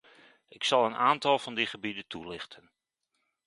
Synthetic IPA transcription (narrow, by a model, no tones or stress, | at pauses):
ɪksɑlˠənaːntɑlˠvɑndiχəbidətulɪχtʰən